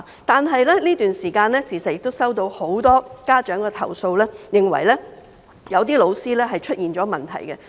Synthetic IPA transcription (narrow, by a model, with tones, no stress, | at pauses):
t̪aː˨nɦɐ˨jlɛː˥liː˥t̪yː˨nsiː˨˩kaː˧nlɛː˥sʰiː˨˩sɐ˨t̚jɪ˨k̚t̪o˥wsɐ˥wt̪o˧who˨˥wt̪ɔː˥kaː˥t͡ʃœː˨˥ŋkɛ˧t̪ʰɐ˨˩wso˧wlɛː˥jɪ˨ŋwɐ̰˨˩jlɛː˥ | jɐ˨˧wt̪̬iː˥lo˨˧wsiː˥lɛː˥ɦɐ˨jt͡ʃʰɵ˥t̚jiː˨nt͡ʃɔː˨˥mɐ˨nt̪ʰɐ̰˨˩jkɛ˧